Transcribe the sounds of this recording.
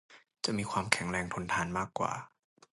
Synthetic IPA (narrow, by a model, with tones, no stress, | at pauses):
t͡ɕa˨˩ʔmiː˧kʰwaː˧mkʰɛ˨˩˦ŋɾɛː˧ŋt̪ʰo˧nt̪ʰaː˧nmaː˥˩kːwa̰ː˨˩